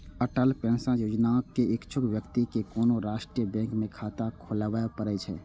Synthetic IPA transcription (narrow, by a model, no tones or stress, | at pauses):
əʈəlpɛ̃nsãjoːd͡ʒnakːeɪkt͡ʃʰʊkʋjəkt̪ikekonoɾaʃʈɾijəbɛ̃ŋkmẽkʰat̪akʰolbapəɾɛt͡ʃʰɛ̰